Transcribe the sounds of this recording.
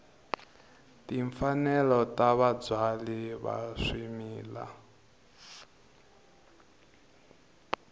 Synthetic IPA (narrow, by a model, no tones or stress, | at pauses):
tiɱfanɛlɔtaβad͡zwaliβa̰ʂimiːla̰